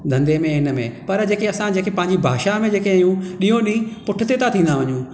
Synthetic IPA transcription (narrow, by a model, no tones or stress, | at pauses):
d̪ʱɐ̃nd̪emẽɪnə̆mẽpɐɾd͡ʑeːkeɐsãd͡ʑeːkepɐ̃ɦɪ̃ɲd͡ʑibʱa̰ːʃamẽd͡ʑeːkeɪjũɗĩjõɗĩpʊʈʰɪt̪et̪ʰat̪ʰĩːn̆d̪aʋɐɲũ